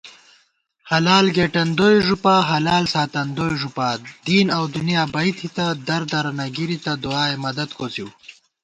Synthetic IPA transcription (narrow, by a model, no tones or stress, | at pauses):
hɐlaːlɡeːʈɐnd̪ojʐupaɦɐlaːlsaːt̪ɐnd̪oːjʐupaːd̪iːnɐwd̪unjaːbɐit̪ʰit̪ad̪ɐɾd̪ɐɾɐnɐɡiɾit̪ɐd̪uaːemɐd̪ɐd̪kot͡siw